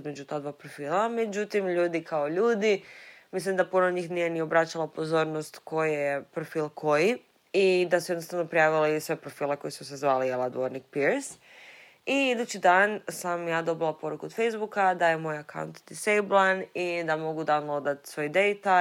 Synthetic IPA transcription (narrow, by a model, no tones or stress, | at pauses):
zmed͡ʒut̪aːd̪ʋaːpɾofiːlame̞d͡ʑut̪imʎuːd̪ikʰaoʎuːd̪imislimd̪apunoɲiːxnije̞nio̞bɾat͡ɕalˠapozo̞ɾnost̪ko̞jepɾofiːlˠkʰo̞ji | id̪asujed̪nost̪aʋno̞pɾijaːʋilesʋe̞pɾo̞fiːleko̞jisusezʋaːlijelˠad̪ʋo̞ɾnik̚piɾs | iid̪ut͡ɕid̪aːnsamjaːd̪o̞bilˠapo̞ɾukuod̪fejzbukad̪ajemo̞jaka̰wṵnt̪d̪isejblanid̪amo̞ɡud̪anod̪at̪sʋo̞jid̪ejt̪a